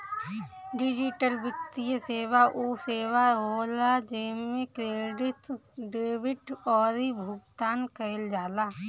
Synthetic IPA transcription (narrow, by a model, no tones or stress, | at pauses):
ɖɪd͡ʒɪʈəlbɪt̪ijəseːwaʔuːseːʋaɦoːlad͡ʒemmẽkɾeːɖɪt̪ɖeːbɪʈɔːɾibʱʊɡt̪aːnkəɪld͡ʒaːlaː